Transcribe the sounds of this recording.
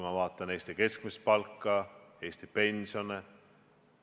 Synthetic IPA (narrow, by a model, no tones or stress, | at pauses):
jmɑvɑːt̪ˑːɑne̞ːst̪ike̞skmispɑlkːˑɑe̞ːsʲt̪ipe̞nʲsio̞ne